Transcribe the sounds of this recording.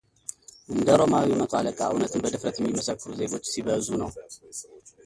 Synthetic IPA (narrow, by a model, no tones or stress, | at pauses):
ʔɨnd̪ɐɾo̞mawimɐt͡sʼalɐkʼa̰ʔɨ̰wnɐt̪ʰɨnbɐd̪ɨfɾɐt̪jɛmːjimːɐsɐkːɨɾuze̞ɡo̞t͡ʃːsiβɐzunɐw